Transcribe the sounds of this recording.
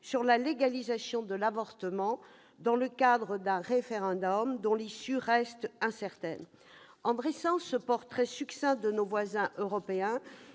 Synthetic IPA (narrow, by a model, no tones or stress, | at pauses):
syʁlaleɡalizasjɔ̃d̪əlavɔʁt̪əmɑ̃ | d̪ɑ̃ləkad̪ʁəd̪ɛ̃ʁefeʁɑ̃d̪ɔmd̪ɔ̃lisyʁɛst̪ɛ̃sɛʁt̪ɛn | ɑ̃b̪ʁesɑ̃səpɔʁt̪χɛsyksɛ̃d̪ənovwazɛ̃ʔøʁɔpeɛ̃